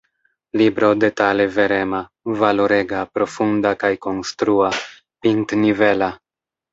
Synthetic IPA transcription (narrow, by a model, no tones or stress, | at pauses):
libɾo̞de̞tale̞ve̞ɾe̞ma | valoɾe̞ɡapɾo̞fundakajko̞nstɾua | piŋt̪nive̞la